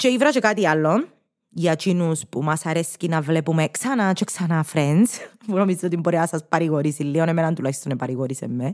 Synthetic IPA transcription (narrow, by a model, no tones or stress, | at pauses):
t͡ʃeivɾɐt͡ʃekat̪ialːon | jɐt͡ʃinuspumɐsɐɾescinɐvlepumeksɐnat͡ʃeksɐnafɾenspunomizit̪ot̪imboɾeɐsɐspɐɾiɣoɾisilːionemenɐnt̪ulaçist̪onepɐɾiɣoɾisemːe